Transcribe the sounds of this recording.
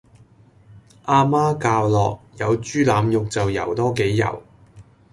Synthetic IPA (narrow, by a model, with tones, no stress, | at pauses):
ʔaː˧maː˥kaː˧wlɔː˨k̚jɐ˨˧wt͡ʃyː˥laː˨˧mjʊ˨k̚t͡sɐ˨wjɐ̰˨˩wt̪ɔː˥ke˨˥jːɐ̰˨˩w